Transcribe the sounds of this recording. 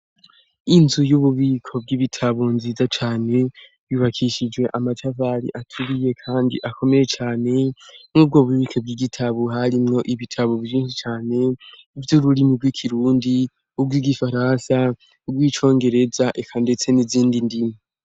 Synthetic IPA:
inzujuβuβiːkʰo̞b̚ɡiːβitʰaβonziːzat͡ʃaːne̞ | βjuβakʰiʃid͡ʒwe̞ʔamatʰavaɾḭʔatʰuɾije̞kʰaːndḭʔako̞me̞je̞t͡ʃaːne̞mŋub̚ɡo̞ːβuβiːkʰob̚ɡiːɡitʰaβoɦaɾimŋo̞ʔiβitʰaβoβiʒiːnʃit͡ʃaːne̞ | vjuɾuɾimib̚ɡikʰiɾuːndi | ubɡwiːɡifaɾansa | ubɡwiːt͡ʃo̞ːŋɡe̞ɾe̞zaʔekʰande̞t͡se̞niziːndindima

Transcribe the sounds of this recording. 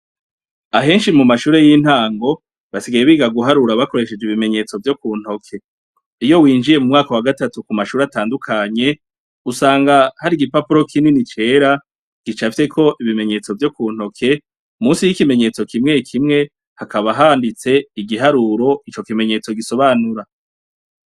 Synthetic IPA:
aɦe̞ːnʃimumaʃuːɾe̞jin̥haːŋɡo̞ | βasiɡajeβiːɡaɡuɦaɾuɾaβako̞ɾe̞ʃe̞d͡ʒiβime̞ɲe̞t͡so̞vjo̞kuːn̥ho̞kʰe̞ | ijo̞wiːnd͡ʒije̞mumŋaːkowaɡatatukumaʃuːɾataːndukʰaɲe̞ | usaːŋɡahaɾiɡipapuɾo̞kʰininit͡ʃe̞ːɾa | ɡ̥it͡ʃafi̥te̞kʰo̞ʔiβime̞ɲe̞t͡so̞vjo̞kuːn̥ho̞kʰe̞ | umuːnsijikime̞ɲe̞ːt͡so̞kʰimŋe̞kʰimŋe̞ | hakaβaɦaːndit͡se̞iɡiɦaɾuːɾo̞it͡ʃo̞kime̞ɲe̞t͡so̞ɡiso̞βaːnuɾa

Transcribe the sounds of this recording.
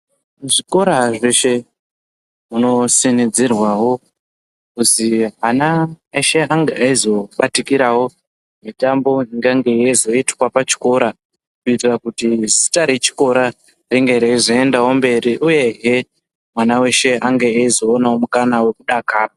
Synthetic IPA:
ʐiko̞ɾaʐeʃe̞ | ɦuno̞sinid͡zirwawo̞ | kusiɦana | eʃe̞aŋɡeaizo̞ɓatikiɾawo̞ | mitambo̞iŋɡaŋɡe̞jezo̞itwapat͡ʃi̥ko̞ɾa | kuitirakutizi̥taɾe̞t͡ʃi̥ko̞ɾa | riŋɡeɾeiʐoendawo̞mbe̞ɾiʔuje̞ɦe̞ | mwanawe̞ʃe̞aŋɡe̞aizo̞ːnawo̞mukanawe̞kuɗakaːra

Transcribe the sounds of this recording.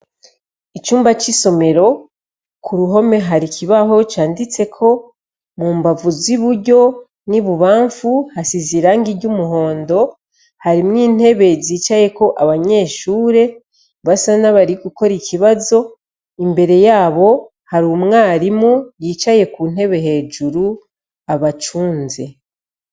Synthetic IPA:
it͡ʃuːmbat͡ʃiso̞me̞ɾo̞ | kʰuɾuɦo̞me̞ɦaɾicʰiβaɦo̞t͡ʃaːndit͡se̞kʰo̞ | muːmbavuziβuɾɟo̞ | niβuβaːɱfuhasiziɾaːŋɡiɾɟumuɦo̞ːndo̞ | haɾimŋiːn̥he̞βe̞ziːt͡ʃaje̞ko̞ʔaβaɲe̞ːʃuːɾe̞ | βasanaβaɾiɡuko̞ɾicʰiβazo̞ | imbe̞ɾe̞jaːβo̞ | haɾumŋaːɾimujiːt͡ʃaje̞kuːn̥e̞βe̞ɦe̞ːd͡ʒuɾu | aβat͡ʃuːnze̞

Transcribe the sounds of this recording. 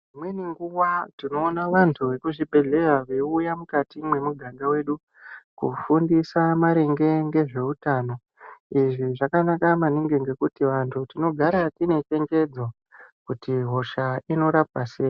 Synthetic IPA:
mweniŋɡuwatino̞ːnaʋantʰuʋe̞kuʐibʱe̞ɮe̞raʋeujamukatimwe̞muɡʱaŋɡawe̞ːɗu | kṵfundisamaɾeŋɡe̞ŋɡe̞ʐe̞utaːno̞ | iʐiʐakanakamaneŋɡe̞ŋɡe̞kutiʋantʰutino̞ɡʱaɾatine̞t͡ʃe̞ŋɡe̞d͡zo | kutiɦo̞ʃaino̞ɾap̚aseːi

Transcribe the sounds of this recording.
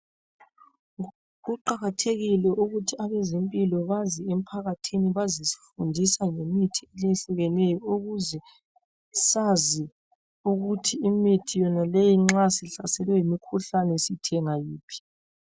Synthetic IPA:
ɣuǃaɣatʰeɣilɛʔuɣutʰiaβɛzempʼilɔβaziem̩pʰaɣatʰiniβazisi̥fundʱisaŋemitʰieleɬuɣɛnɛjɔoɣuzɛ | sazi | uɣutʰiːmitʰijɔnalejiŋ͡ǁasiɬasɛlwɛjimikʰuɬanɛsitʰɛŋajiːpʰi̥

